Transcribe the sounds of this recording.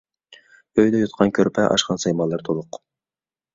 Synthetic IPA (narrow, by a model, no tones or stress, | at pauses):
øjd̪ɛjot̪̚qʰɑnkʲʰøɾpʰɛʔɑ̰ʃqɑnsɑjmɑlˠːɑɾt̪ʰolˠʊq